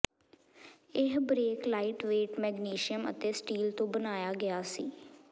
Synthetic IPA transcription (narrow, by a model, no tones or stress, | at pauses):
ɪɦbɾeːklaːiʈʋeːʈmɛːɡniːʃɪəmə̰t̪eːsʈiːlt̪õːbənaːjaːɡɪaːsiː